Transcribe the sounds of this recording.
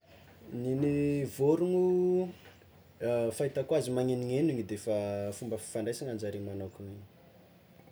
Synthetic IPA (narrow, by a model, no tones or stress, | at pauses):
ninivoɾuŋu | fait̪akwazimaŋeniŋeniŋid̪efafumbəfi̥faɳɖ͡ʐajsiŋand͡ʒaɾimanokuniɲi̥